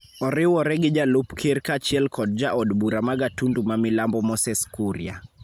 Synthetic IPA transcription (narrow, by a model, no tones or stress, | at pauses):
ɔɾɛwɔɾɛɡid͡ʒalupkʰiɾkat͡ʃiɛlkʰɔd̚d͡ʒaʔɔdbuɾamaɡatundumamilambɔmɔsɛskuɾja̰